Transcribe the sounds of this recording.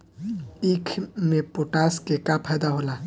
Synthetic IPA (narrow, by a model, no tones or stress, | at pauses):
ikʰmẽpʊʈaːskekapʰɛːd̪aɦoːla